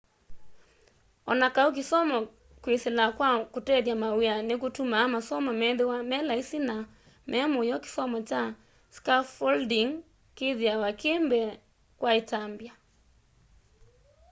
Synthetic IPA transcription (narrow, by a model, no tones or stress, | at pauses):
ɔnakauk̬isɔmɔ | kweselakwakutɛðjamawianekutumaːmasɔmamɛðewamɛlaisina | mʔɛmojɔke̥sɔmɔt͡ʃa | skafɔldiŋ | keðiawakembɛ | kwaitambja